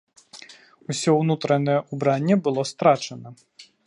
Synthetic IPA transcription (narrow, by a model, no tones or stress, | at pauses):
usʲɔwnut̪ɾɐnɐjɛubɾanʲːɛbɨlˠɔst̪ɾat͡ʂɐnɐ